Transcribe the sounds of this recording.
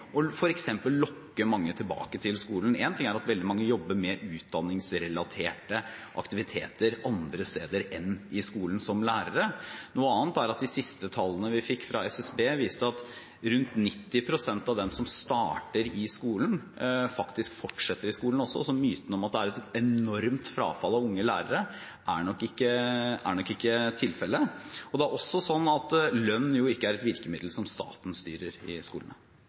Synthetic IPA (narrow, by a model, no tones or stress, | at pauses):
ʔɔfɔɾɛksɛmpəlːɔkːəmɑŋːət̪ʰɪlbɑ̰ːkət̪ʰɪlskuːln̩ɛːnt̪ʰɪŋæɾɑt̪ʋɛld̪ɪmɑŋːəjɔbːəɾmɛʔʉːt̪̚d̪ɑnːɪŋsɾɛlɑt̪ʰeːʈəʔɑ̰kt̪ɪʋɪt̪ʰḛːt̪əɾʔɑnd̪ɾəst̪ḛːd̪əɾɛnːɪskuːln̩sɔmlæːɾəɾənuːəɑːnt̪æɾɑt̪̚d̪ɪsɪst̪ət̪ʰɑlːənəʋɪfɪkːfɾʔɑɛsɛsbeːʋiːst̪əɑt̪ | ɾʉnt̪nɪt̪ːɪpʰɾʊsɛnt̪ɑʋd̪ɛmsɔmst̪ɑːʈəɾɪskuːln | fɑkt̪ɪskfɔʈʂɛt̪ːəɾɪskuːln̩ɔsːɔ̰sɔmyːt̪ənəɔmɑt̪̚d̪ɛæɾɛt̪ɛnɔɾmt̪fɾɑ̰ːfɑlːɑʋʊŋːəlæ̰ːɾəɾə | ʔæɳɔkːɪkːəæ̰ɳɔkːɪkːət̪ʰɪlfɛlːəɔd̪ɛæɾʔɔsːɔsɔnːɑt̪lœnːjʊɪkːəæɾɛt̪ʋɪɾkəmɪd̪l̩sɔmst̪ɑ̰ːt̪nst̪y̰ːɾəɾɪ̰skṵːlnə